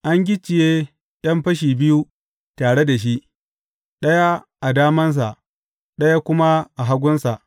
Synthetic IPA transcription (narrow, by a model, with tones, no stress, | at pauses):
ʔa˦ŋɡʲɪ˦t͡ʃːɪ˨jeː˦ | ɗɐ˦mɸɐ˦ʃ̬iː˨bɪ˦ju˦ | taː˨ɽe˦da˨ʃ̬i˦ʔ | ɗɐ˦ja˦ | ʔa˨daː˦mɐ˦ns̬a˨ʔ | ɗɐ˦ja˦kʷʊ˦ma˦ʔa˨ɦa˦ɡʷʊ˦nsa˨ʔ